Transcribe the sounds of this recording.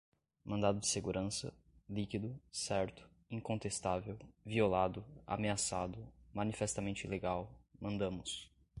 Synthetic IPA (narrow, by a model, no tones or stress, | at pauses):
mɐ̃nd̪ad̪ʊd͡ʒɪseɡuɾʔɐ̃sɐ̰ | likid̪ʊsɛɾt̪ʊ̥ | ĩŋkõnt̪est̪avewviolad̪ʊa̰measad̪ʊmɐ̃nifɛst̪amẽnt͡ʃɪileɡawmɐ̃nd̪ɐ̃mʊs